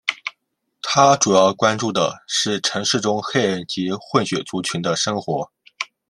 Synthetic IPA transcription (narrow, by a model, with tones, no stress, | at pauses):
t̪ʰa˥ʈ͡ʂu˨˩jɑ˥˩ʊkwa˥nʈ͡ʂu˥˩d̪ə̰˩ʂɻ̩˥˩ʈ͡ʂʰɤ˧˥ŋʂɻ̩˥˩ʈ͡ʂʊ˥ŋxe˥˧ɪ˥˩nt͡ɕi˧˥xwə˥˩nɕɥɛ˨˩t͡su˧˥t͡ɕʰy˧˥nd̪ə˧ʂɤ˥ŋxwɔ˧˥